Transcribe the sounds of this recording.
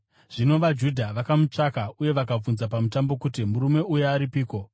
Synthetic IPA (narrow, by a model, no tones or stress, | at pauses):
ʐ̥ino̞ʋad͡ʒudʱaʋakamut͡ʂakauje̞ʋakab͡vunzapamutambo̞kutimuɾume̞uje̞aɾipiːko̞